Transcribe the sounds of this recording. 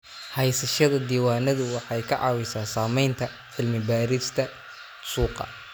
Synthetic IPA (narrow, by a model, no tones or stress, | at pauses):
hɛjsɐʃɐðɐd̪iːwaːnɐðʊwɑħɑjkʰɐʕɑ̰ːwɪsaːsaːmɛjnt̪ʰɐ | ʕɪlmɪbaːɾɪst̪ʰɐ | suːqɑ̰